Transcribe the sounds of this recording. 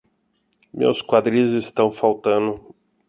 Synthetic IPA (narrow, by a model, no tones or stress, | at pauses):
mḛwskwad̪ɾĩzɪst̪ɐ̃w̃fawt̪ɐ̃nʊ